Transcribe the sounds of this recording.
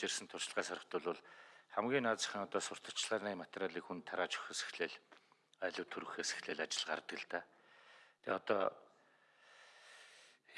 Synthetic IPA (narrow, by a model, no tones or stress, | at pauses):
ersɘ̆nt̪ʰʊr̥ʃɪ̆ɮʁæːsaɾə̆χt̪ʰʊɮʊɮχæmɡʲiːnaːt͡sə̥̆χə̆nɔt̪ɔːsʊr̥t̪ə̥̆t͡ɕɮaːniːmat̪eɾʲaɮiːkxunt̪ʰːaɾaːt͡ɕʊ̥xeːsĕ̥xɮeːɮ | æːɮʊːt̪ʰɵɾɣɘ̆xeːse̥xɮeːɮat͡ɕɪ̆ɮɢa̰r̆t̪ɡɘ̆ɮt̪aː | t̪ʰḛɔt̪ɔ̰ː